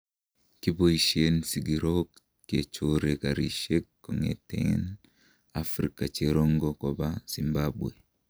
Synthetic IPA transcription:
kiboiʃiensiɡiɾok | ket͡ʃoɾekaɾḭʃekːoŋḛtḛŋin | afɾikat͡ʃeɾoŋɡokobasimbabwe

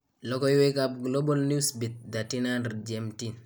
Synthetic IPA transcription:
lɔkɔjwekab̚ɡlobalnisbit̚datinandd͡ʒemtin

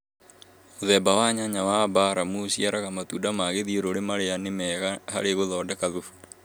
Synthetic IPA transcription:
ðɛːbawaɲaɲawabaɾamusiaɾaɣamatuːdamaɣeðioɾoɾemaɾeanemɛɣaha̰ɾeɣoðɔːdakaðufu̥

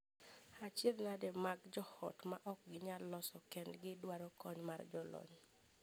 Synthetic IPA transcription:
at͡ʃednadɛmaɡd͡ʒɔhɔ̰tmaʔɔk̚ɡɪɲalːɔsɔkɛndɡɪdwaɾɔkɔɲmard͡ʒɔlɔ̰ɲ

